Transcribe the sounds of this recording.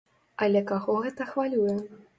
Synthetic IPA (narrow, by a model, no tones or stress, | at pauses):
ɐlʲɛkaɣɔɣɛt̪ɐxvalʲujɛ